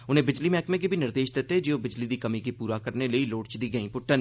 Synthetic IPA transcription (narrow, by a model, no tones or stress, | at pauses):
ʊnɦẽbɪd͡ʒlimɛːkmẽk̬ibʱinɪɾd̪eːʃd̪eːt̪ed͡ʒeːobɪd͡ʒlid̪ikɐmikipuːɾakɐɾneleiloːʈt͡ʃd̪iɡɐĩpʊʈːən